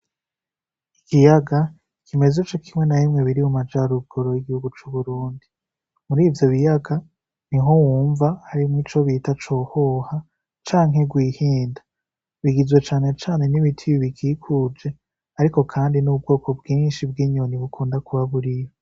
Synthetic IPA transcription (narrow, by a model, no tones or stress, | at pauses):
ikijaɡa | ikʰime̞zet͡ʃokʰimŋwe̞naβimŋe̞βiɾimumad͡ʒaɾuɡ̥o̞ɾojiɡihuɡut͡ʃuːβuɾuːndi | muɾiːvjo̞βijaɡa | niɦo̞wuːɱvahaɾimŋiːt͡ʃoβiːtat͡ʃo̞ːhoha | t͡ʃaːŋhe̞ɡwiːhiːnda | βiɡizwe̞t͡ʃaːne̞t͡ʃaːne̞niβitʰiβiβikʰiːkʰuːd͡ʒe̞ | aɾiko̞kʰaːndinub̚ɡo̞ːko̞bɡiːnʃib̚ɡiːɲo̞niβukʰuːndakuβaβuɾijo